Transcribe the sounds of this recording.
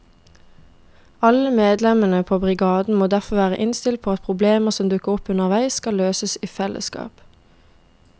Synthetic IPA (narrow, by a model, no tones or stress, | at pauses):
ɑləmeːd̪lɛmənəpʰoːbʁɪɡɑːd̪n̩moːd̪æʁfɔʋæːʁə̰ʔɪnst̪ɪl̚pʰoːɑt̪̚pʰʁʊbleːməsɔmd̪ʉkəʁɔpʉnəʁʋæɪskɑløːsəsiːfɛlʔə̰skɑ̰ːp